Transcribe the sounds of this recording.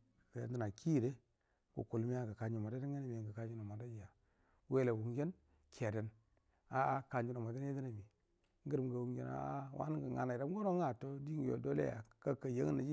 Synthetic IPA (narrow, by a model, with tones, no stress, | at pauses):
ka˨ja̰˨ndi˦na˨ki˦˨ɾe˦ | ɡ̥ṵ˨ku˨lmi˦ja˦ɡə˨ka˨ɲi˨ma˨da˦i˦ŋe˦n˦me˨ɡə˨ka˨d͡ʒi˦no˨ma˨da˦d͡ʒi˨ja˨ | we˦le˨wu˨ŋd͡ʒe˦n | kʰe˨de˨n | a˦a˦ka˨ɲd͡ʒi˦no˨ma˨da˦n˦e˦di˦na˨mi˨ | ŋ˦ɡi˦ɾmɡa˨wu˨ŋd͡ʒḛ˦na̰˦a˦wa̰˦n˦ɡə˨ŋa̰˨na˨ɾa˦m˦ɡo˦ɾo˦ŋa˨to˦di˦ŋ˨jo̰˨do˦lḛ˦ja̰˨ka˦ka˨je˦ŋ˦na˨d͡ʒi˦